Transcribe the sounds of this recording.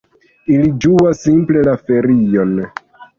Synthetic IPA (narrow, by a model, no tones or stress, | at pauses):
ilid͡ʒuasːimple̞lafe̞ɾio̞n